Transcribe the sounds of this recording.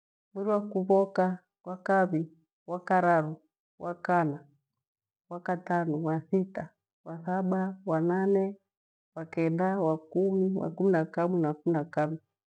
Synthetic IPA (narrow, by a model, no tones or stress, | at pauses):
miɾiwakuβɔka | wakaβi | wakaɾaɾɔ | wʔakana | wakatanɔwasita | wasaɓawananɛ | wakɛndawakumiwa̰kuminakaminakuminakaβi